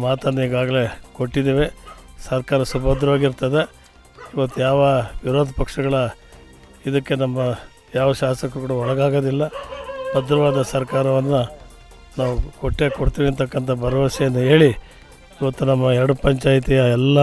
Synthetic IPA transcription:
maːt̪ɐnːɐiːɡaːɡɐle̞koʈːid̪eːʋesɐɾkaːɾɐsubʱɐd̪ɾɐʋaːɡiɾt̪ɐd̪e̞ | iʋɐt̪ːujaːʋɐʋiɾoːd̪ʱɐpɐkʂɐɡɐɭɐ | id̪ɐkːe̞nɐmːɐ | jaːʋɐʃaːsɐkukuːɽɐɔɭɐɡaːɡod̪ilːɐbɐd̪ɾɐʋaːd̪ɐsɐɾkaːɾɐʋɐnːɐ | naːʋukoʈːeːkoɽt̪iːʋiɐnt̪ɐkːɐnt̪ʰɐbʱɐɾɐʋɐsɐjɐnːɐɦe̞ːɭi | iʋɐt̪ːunɐmːɐɛɾɐɽupɐɲt͡ʃaːjt̪ijɐɛlːɐ

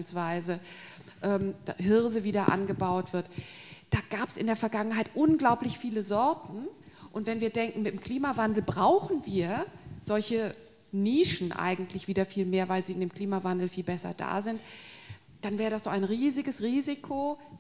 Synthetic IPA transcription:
ilsv̥aɪzə | ʔɛːmd̥aɦɪɐzəviːdɐʔa̰nɡəbaʊtv̥ɪɐtd̥aːɡ̥aːpə̥sʔɪ̰ndeːɐfɛɐɡaŋənɦaɪtʔʊnɡlaʊplɪçfiːləzɔɐtn̩ʔʊntv̥ɛnviːɐdɛŋkŋ̩mɪtmkʰl̥iːmavandl̩bʁaʊxn̩viːɐz̥ɔlçə | niːʃn̩ʔa̰ɪɡŋ̩tʰlɪçv̥iːdɐfiːlmeːɐvaɪlziːɪndeːmkl̥iːmavandl̩fiːlbɛsɐ̰da̰ːzɪnt | d̥anvɛːʁədasd̥ɔχaɪnʁiːzɪɡəsʁiːzɪkʰo

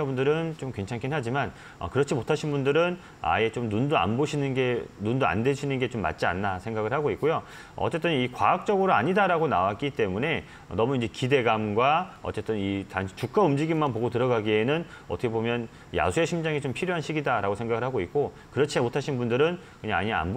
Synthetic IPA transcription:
abundɯɾɯnt͡ɕomkwe̞ŋt͡ɕʰaŋkʰinɦad͡ʑiman | ʌ̰kɯɾʌt͡ɕʰimotʰaɕʰinbundɯɾɯn | a̰e̞t͡ɕomnundoa̰nboɕʰinɯnɡe̞nundoa̰ndweɕʰinɯnɡe̞t͡ɕomːa̰t̚t͡ɕ͈ia̰nːasʰe̞ŋɡaɡɯɭhaɡoik͈ojo | ʌ̰t͡ɕ͈e̞t͈ɯnikwa̰ːk̚t͡ɕ͈ʌɡɯɾoaɲidaɾaɡona̰wak͈it͈e̞mune̞ | nʌmuind͡ʑe̞kide̞ɡamɡwaʌ̰t͡ɕ͈e̞t͈ɯnitaŋɕʰi̥t͡ɕuk̚k͈aumd͡ʑiɡimanpoɡotɯɾʌɡaɡie̞nɯnʌtʰʌkʰebomjʌn | ja̰sʰue̞ɕʰimd͡ʑaŋit͡ɕompʰiɾjoɦanɕʰiɡidaɾaɡosʰeŋɡaɡɯɭhaɡoik̚k͈o | kɯɾʌt͡ɕʰimotʰaɕʰinbundɯɾɯn | kɯɲaŋa̰ɲia̰nb

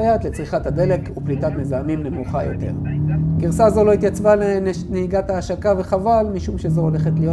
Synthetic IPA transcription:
ajat̪le̞t͡sʁiχathad̪e̞le̞kuplitat̪mezaːmimne̞muχa̰jo̞̰t̪e̞̰ʁɡiʁsazo̞lo̞it̪jat͡svale | neiɡathaːʃakave̞χavalmiʃumʃe̞zo̞ole̞χet̪lijo

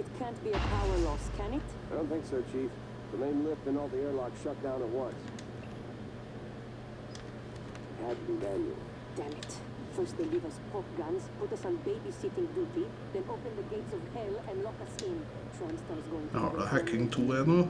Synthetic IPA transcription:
ɪtkʰæ̃nt̚biəpʰaʊwə˞lɔskʰæ̃nɪtaɪdõʊ̃nθɪ̃ŋksɜ˞t͡ʃʰif | ðənẽɪ̃mlɪptɨ̃nɔlˠðiɛɹlaɪkʃʌt̚d̥ãʊ̃nət̚wʌ̃ns | hæd̚bɨ̃ndæ̃njɨ̰l̩ˠ | d̥ænɪt | fɜ˞st̚ðeɪlivʌspʰɔkɡʌ̃nzpʊtʌsɑ̃nbeɪbisɪtɪ̃nduti | ðɛ̃noʊpɨ̃nðəɡeɪtsɔvhɛlɛ̃nlɔkʌsɪ̃n | soʊãnstɑɹsɡoʊɪ̃ŋhɑ̰ːɾə̰hækɪŋt̪ʰuːɛd̪n̩

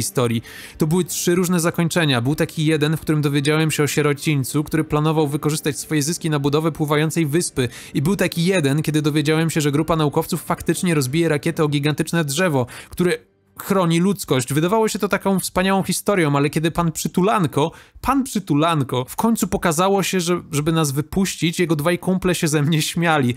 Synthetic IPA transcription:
ist̪ɔɾʲji | t̪ɔbɘwɘtʂɘɾuʐnɛzakɔɲt͡ʂɛɲabɘwt̪akʲijɛd̪ɛnfkt̪uɾɘmd̪ɔvʲjed͡ʑawɛmɕɛɔɕɛɾɔt͡ɕiɲʲt̪sukt̪uɾɘplanɔvawvɘkɔʐɘst̪at͡ɕsfɔjɛzɘskʲinabud̪ɔvɛpwɘvajɔnt̪sɛjvɘspɘ | ibɘwt̪akʲijɛd̪ɛnkʲɛd̪ɘd̪ɔvʲjed͡ʑawɛmɕɛʐɛɡɾupanaukɔft̪sufːakt̪ɘt͡ʂɲɛɾɔzbʲijɛɾakʲjɛt̪ɛɔɡʲiɡant̪ɘt͡ʂnɛdʐɛvɔkt̪uɾɛ | xɾɔɲilut̪skɔɕd͡ʑvɘd̪avawɔɕɛt̪ɔt̪akɔ̃w̃fspaɲawɔ̃w̃xʲist̪ɔɾʲjɔ̃w̃alɛkʲɛd̪ɘpanpʂɘt̪ulaŋkɔpanpʂɘt̪ulaŋkɔfkɔɲʲt̪supɔkazawɔɕɛʐɛʐɛbɘnazvɘpuɕt͡ɕit͡ɕjɛɡɔd̪vajkumplɛɕɛzɛmɲɛɕmʲjalʲi

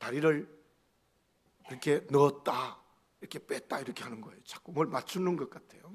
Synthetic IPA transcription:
taɾiɾɯɭ | iɾʌkʰe̞nʌːt̚t͈a | iɾʌkʰe̞p͈et̚t͈aiɾʌkʰe̞ɦanɯnɡʌejot͡ɕḁk͈omwʌɭmat͡ɕʰunɯnɡʌk͈atʰe̞jo

